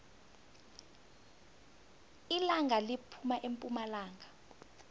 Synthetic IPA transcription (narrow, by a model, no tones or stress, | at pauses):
ilaŋʱalipʰumaʔempʼumalaːŋa